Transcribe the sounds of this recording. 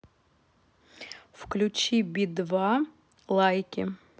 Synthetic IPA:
fklʲut͡ɕibʲid̪va | lˠajkʲɪ

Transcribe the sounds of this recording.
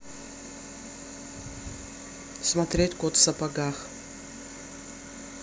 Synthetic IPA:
smat̪ɾʲetʲkʷɔt̪sɐpaɡax

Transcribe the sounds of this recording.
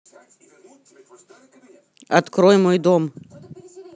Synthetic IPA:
ɐt̪kɾɔjmɔjd̪ɔm

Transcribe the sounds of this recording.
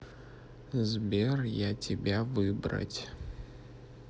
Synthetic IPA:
zbʲerjatʲɪbʲavɨbɾə̰tʲ

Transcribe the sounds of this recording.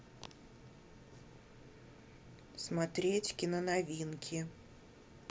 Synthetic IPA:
smɐt̪ɾʲetʲkʲɪnənɐvʲinkʲʰɪ

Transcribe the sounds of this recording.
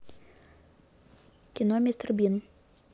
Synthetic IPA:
kʲinɔmʲist̪rbʲin

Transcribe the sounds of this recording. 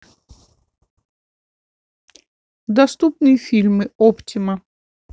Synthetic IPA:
d̪ɐst̪upnɨjəfʲilʲmɨoptʲɪmə

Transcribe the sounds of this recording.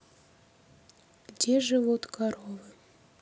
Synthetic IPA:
ɡdʲeʒɨvot̪kɑɾovɨ

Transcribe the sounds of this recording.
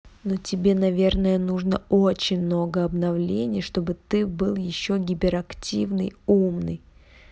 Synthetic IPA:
no̞tʲɪbʲe̞nɐvʲe̞rnəjənuʐnəot͡ɕɪnʲmno̞ɡəɐbnɐvlʲenʲɪjʂt̪o̞bɨt̪ɨbɨlˠjɪɕːoɡʲɪpʲɪɾɐktʲivnɨjumnɨ̰j

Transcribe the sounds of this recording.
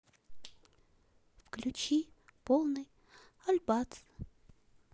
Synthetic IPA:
fklʲut͡ɕipolˠnɨj | alʲbat̪

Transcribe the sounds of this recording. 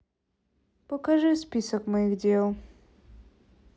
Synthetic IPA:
pəkaʐɨspʲisəkmɐjiɣdʲelˠ

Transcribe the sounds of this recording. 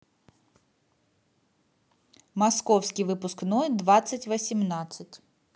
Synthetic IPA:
mɐskɔwsʲkʲijʋɪpʊsknɔd̪ʋɑsʲːɐtʲʋɐsʲimnɑt͡sʲːɐtʲ

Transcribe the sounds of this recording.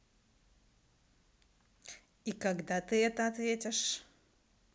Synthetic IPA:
ikɐɡd̪at̪ɨɛt̪əɐt̪vʲetʲɪʂ

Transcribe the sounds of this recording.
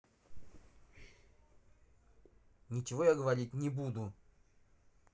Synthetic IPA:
nʲɪt͡ɕɪvojaɡəvɐɾʲit̚ʲnʲɪbud̪ʊ

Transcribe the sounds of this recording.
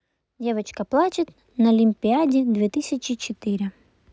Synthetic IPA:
dʲe̞vət͡ɕkəplˠat͡ɕɪt̪ | nɐɐlʲɪmʲpʲɪadʲɪd̪vʲet̪ɨsʲɪt͡ɕɪt͡ɕɪt̪ɨɾʲɪ

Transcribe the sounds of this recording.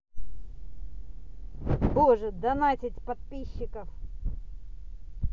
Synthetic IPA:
boʐɨd̪ɐnatʲɪtʲpɐt̪̚pʲiɕːɪkəf

